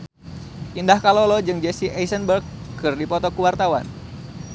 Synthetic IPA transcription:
ʔindahkalolɔd͡ʒɨŋd͡ʒɛsiʔejsənbərkːɨrdipɔt̪ɔkuwart̪awa̰n

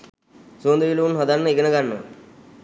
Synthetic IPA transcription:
soːnd̪əʋiluʋunɦɔd̪anːəiɡənəɡanːə̰

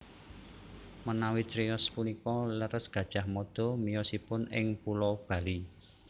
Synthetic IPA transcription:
mənawitɾiɔspunikɔləɾəsɡ̥ä̤d̥ʒ̥a̤hmɔd̪̥ɔ̤mijɔsipʊnɪŋpulɔb̥ä̤li

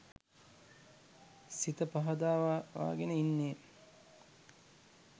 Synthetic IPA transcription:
sit̪əpaɦɐd̪aːʋa̰ːɡenəinːeː

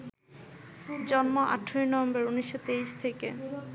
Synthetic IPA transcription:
d͡ʑɔnmoʔa̰ʈʰːɾojnɔvembeɾuniʃːot̪eiʃt̪ʰeke

